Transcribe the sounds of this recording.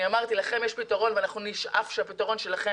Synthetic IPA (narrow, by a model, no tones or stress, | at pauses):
iamaʁt̪ilaχe̞mjeʃpitaʁo̞nveanaχnuniʃʔa̰fʃeapitaʁo̞nʃelaχe